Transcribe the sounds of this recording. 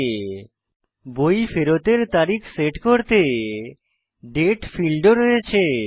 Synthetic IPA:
bojfeɾot̪eɾt̪aɾikʰseʈkoɾt̪e | ɖeʈfilɖoɾɔet͡ɕʰe

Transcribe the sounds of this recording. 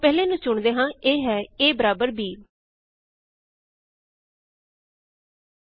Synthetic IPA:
pɛːleːnũːt͡ʃʊɳd̪eːɦãːeːɦɛːeːbəɾaːbəɾbiː

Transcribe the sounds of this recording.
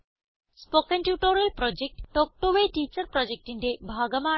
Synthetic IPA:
spokenʈjuʈoɾelpɾɔd͡ʑek̚ʈːok̚ʈoʋeʈit͡ɕɐɾpɾɔd͡ʑek̚ʈinʈebʱaɡɐma

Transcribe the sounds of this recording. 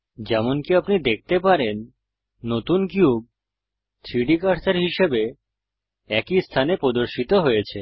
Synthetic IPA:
d͡ʑɛmonkiapnid̪ek̚ʰt̪epaɾenː | ot̪unkiub̚ | t̪ʰɾiɖikaɾt͡ɕaɾɦiʃebe | ɛkist̪ʰanepɾod̪oɾʃit̪oɦojet͡ɕʰe

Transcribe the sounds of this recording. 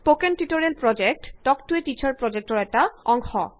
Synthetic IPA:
pokenʈiʈoɾelpɾɔd͡ʑek̚ʈɖɔkʈueʈit͡ɕʰaɹpɾɔd͡ʑek̚ʈoɾɛʈaɔŋxɔ̰

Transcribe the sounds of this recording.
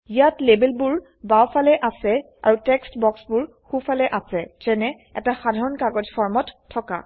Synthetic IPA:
ijatlebɛlbʊɹ | bawfʰalɛʔasɛ | a̰ɹutɛkstbɔksbʊɹ | xufalɛʔasɛzɛnɛ | ɛ̰taxadʱaɹɔnkaɡɔzfʰɔɹmɔtʰːɔka̰

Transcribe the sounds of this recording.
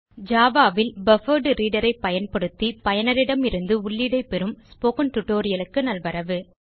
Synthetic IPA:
d͡ʒaːʋaːʋɪlbɐfɐɾɖɯɾiːɽɐɾɐɪpːɐjɐnpɐɽɯt̪ːipɐjɐnɐɾɪɽɐmɪɾɯnd̪ɯʊɭːɪɽɐɪpːɛɾɯmspoːkɐnʈ̪ʊʈːoːɾɪjɐlɯkːɯnɐlʋɐɾɐʋɯ

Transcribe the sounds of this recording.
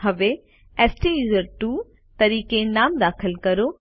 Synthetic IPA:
ɐʋe | ɛːsʈijuːzəɾʈuː | t̪ɐɾiːkenaːmd̪aːxʰəlkɐɾo

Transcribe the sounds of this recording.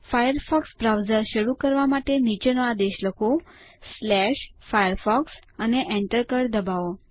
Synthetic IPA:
fajəɾfɔksbɾawzəɾʃəɾukəɾʋamaʈenit͡ʃənoad̪eʃləkʰoslɛʃfajəɾfɔksəneʔɛ̃ɳʈəɾkəɾd̪əbao

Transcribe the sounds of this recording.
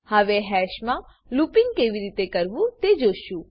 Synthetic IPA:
həʋeɦɛːʃmã | luːpɪ̃ŋɡ̚keːʋiɾiːt̪ekəɾʋũt̪ed͡ʒoːʃũ

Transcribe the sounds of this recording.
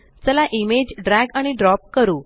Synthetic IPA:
t͡səlaʔimed͡ʑɖɾæɡaɽ̃iɖɾɔp̚kəɾuː

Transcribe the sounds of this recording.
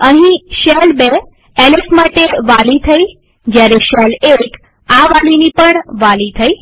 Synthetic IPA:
əɦĩʃelbe | elesmaʈeʋalit̪ʰəi | d͡ʒjaɾeʃɛlek | aʋalinipəɳʋalit̪ʰəi

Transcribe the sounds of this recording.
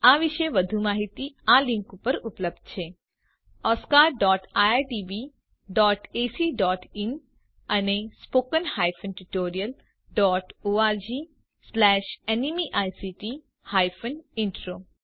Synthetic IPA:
aːʋɪʃeʋɐd̪ʱumaːɦit̪iãːlɪ̃ŋkupɐɾʊpləb̚d̪̚t͡ʃʰeː | ɔːskaːɾɖɔːʈaːaʈiːʋi | ɖɔːʈeːsiɖɔːʈɪn | ɐnespoːkənhaːjfʰənʈuʈoːɾijəl | ɖɔːʈoːaːɾd͡ʒiː | slɛːʃenimiʔaːjsiʈi | haːjfʰənɪ̃ɳʈɾoː

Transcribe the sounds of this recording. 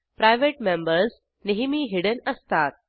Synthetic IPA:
pɾajʋeʈmẽmbəɾs | neɦimiːɦiɽənəst̪at̪̚

